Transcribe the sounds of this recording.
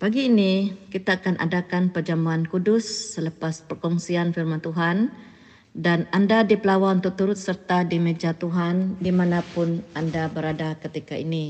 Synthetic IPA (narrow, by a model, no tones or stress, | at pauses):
paɡiːnikit̪aːkanʔa̰dakanpərd͡ʒamuankudʊsːələpaspərkɔŋsianfirmant̪uɦan | danandadipəlawaunt̪ʊk̚t̪uɾʊt̪̚sərt̪adimed͡ʒat̪uɦandimanapʊnandabəɾadakət̪ikaini